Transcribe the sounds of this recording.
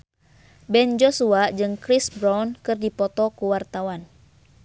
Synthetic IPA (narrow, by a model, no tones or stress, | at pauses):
bɛnd͡ʒɔsuad͡ʒɨŋkɾisbɾankɨrdipɔt̪ɔkuwart̪awan